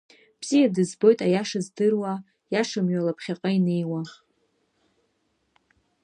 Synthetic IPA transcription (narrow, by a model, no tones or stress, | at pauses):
b̥z̥ijadɨzbo̞jtʼajaʂazdɨrwa | jaʂamɥalapʰχʲaqʼaine̞jwa